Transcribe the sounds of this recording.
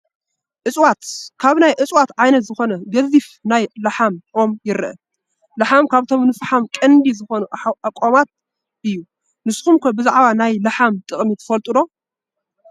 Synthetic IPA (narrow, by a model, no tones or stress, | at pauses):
ʔɨt͡sʼwat̪kʰaβnajʔɨt͡sʼwat̪ʕajnɐt̪zɨxo̞nɐɡɐzifnajlɐħamʔomjɪɾɨʔɐ | lɐħamkʰaβt̪ʰo̞mnɨfħamkʼɐnd̪izɨxo̞nuakʼːomat̪̚ | ʔɨjːu | nɨsxumkʰɐbɨzaʕβanajlɐħamt̪ʼɨχʼmit̪ʰɨ̥fɐlt̪ʼɨdo̞